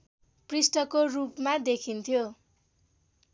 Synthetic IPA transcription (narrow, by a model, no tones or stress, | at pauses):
prisʈʌkorupmad̪ekʰint̪ʰjo